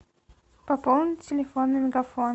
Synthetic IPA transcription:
pɐpɔlˠnʲɪtʲɪlʲɪfonːɨmʲɪɡafon

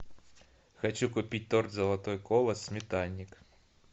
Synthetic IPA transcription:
xɐt͡ʃukʊpʲit̚ʲt̪ɔrʲzɐlˠat̪ɔjkɔlˠɐsmʲit̪alʲnʲik

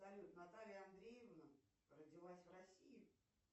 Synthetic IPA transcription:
sɐlʲut̪nɐt̪alʲɪjəɐnd̪ɾʲejɪvnə | rədʲɪlˠasʲvrɐsʲijʊ

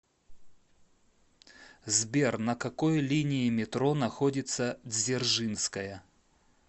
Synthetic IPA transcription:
zbʲernɐkɐkojlʲinʲɪɪmʲɪt̪ɾonɐxodʲɪt̪səzʲɪrʐɨnskəjə

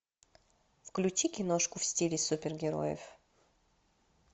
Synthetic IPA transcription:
fklʲut͡ɕikʲɪnoʂkʊfsʲtʲilʲɪsupʲɪrɡʲɪɾo̰jə̰f

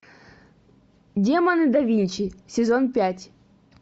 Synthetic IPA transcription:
dʲemɐnɨd̪avʲinʲt͡ɕisʲɪzonpʲatʲ

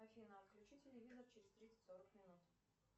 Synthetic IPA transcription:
ɐfʲinəfklʲʉt͡ɕitʲɪlʲɪvʲizərt͡ɕɪɾʲɪz̥ʲt̪ɾʲit̪sə̥tʲsoɾəkmʲɪnut̪

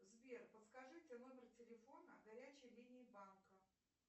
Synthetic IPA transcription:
zvʲerpət̪skɐʐɨtʲɪnomʲɪrtʲɪlʲɪfo̞nəɡɐɾʲæt͡ɕɪjlʲinʲɪɪbankə

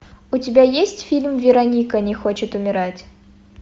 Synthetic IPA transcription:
ʊtʲɪbʲajesʲtʲfʲilʲmvʲɪɾɐnʲikənʲɪxot͡ɕɪt̪ʊmʲɪɾatʲ

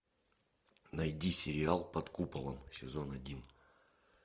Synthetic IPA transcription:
nɐjdʲisʲɪɾʲɪalˠpɐt̪kupəlˠəmsʲɪzonɐdʲin

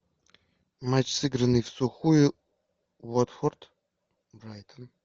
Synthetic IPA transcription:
mat͡ɕsɨɡɾənɨjfsʊxujʊ | vot̪fort̪ | bɾajt̪ən

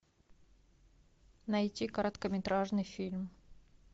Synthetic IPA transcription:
nɐjtʲikəɾət̪kəmʲɪt̪ɾaʐnɨjfʲilʲm

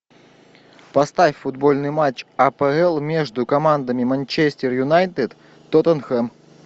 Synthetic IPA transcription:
pɐst̪afʲfʊd̪bolʲnɨjmat͡ɕɐpɛɛlˠmʲeʐd̪ʊkɐmand̪əmʲɪmɐnʲt͡ɕesʲt̪ʲɪrjʊnajt̪ɨt̪ | t̪ːot̪ənxɛm

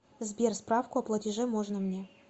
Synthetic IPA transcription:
zbʲerspɾafkʊɐplˠɐtʲɪʐɛmoʐnəmnʲe

